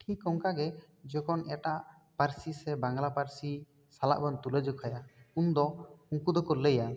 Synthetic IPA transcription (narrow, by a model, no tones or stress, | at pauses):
ʈʰikɔŋkaɡɛ | d͡ʒɔkʰɔnɛʈaʔ | paɾsisɛbaŋɡlapaɾsi | sala̰ʔbant̪uled͡ʒɔkʰajaund̪ɔuŋkud̪ɔkɔɾleja